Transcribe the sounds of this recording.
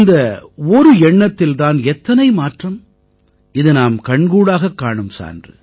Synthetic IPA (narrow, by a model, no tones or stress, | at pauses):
nd̪ɐɔɾɯɛɳːɐt̪ːɪlt̪aːnɛt̪ːɐnɐɪmaːʈrɐm | ɪðɯnaːmkɐɳɡuːɽaːɣɐkːaːɳɯmsa̰ːndrɯ̰